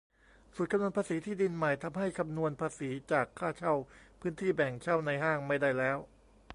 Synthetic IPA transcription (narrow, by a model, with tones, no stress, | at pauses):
su˨˩t̪̚ka˧mnu˧ənpaː˧siː˩˦t̪ʰiː˥˩di˧nma˨˩jt̪ʰa˧mɦa˥˩jkʰa˧mnu˧ənpʰaː˧siː˩˦t͡ɕaː˨˩kʰːaː˥˩t͡ɕʰa˥˩wpʰɯː˦˥nt̪ʰiː˥˩bɛ˨˩ŋt͡ɕʰa˥˩wna˧jɦaː˥˩ŋma˥˩jda˥˩jlɛː˦˥w